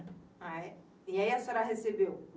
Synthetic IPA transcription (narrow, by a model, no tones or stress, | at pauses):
a | jãjasaɾaɦesebeo